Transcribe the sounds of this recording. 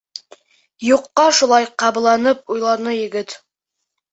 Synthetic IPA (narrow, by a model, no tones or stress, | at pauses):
juqːɑʃulˠɑjqɑb̆lˠɑnɤp̚ujlˠɑɾnɤjɘ̆ɡɘt̪